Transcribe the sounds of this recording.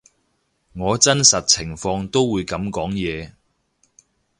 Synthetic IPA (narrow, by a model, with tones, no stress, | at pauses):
ŋɔː˨˧t͡sɐ˥nsɐ˨t̚t͡sʰɪ˨˩ŋfɔː˧ŋt̪o˥wːuː˨˧jkɐ˨˧˥mkɔː˨˥ŋjɛː˨˧